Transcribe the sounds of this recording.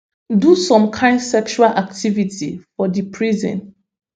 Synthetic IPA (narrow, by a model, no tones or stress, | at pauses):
dusɔ̃mkʰãɪ̃ndsɛkʃualʔaktʰivitʰḭfɔdipʰɹizɛ̰̃n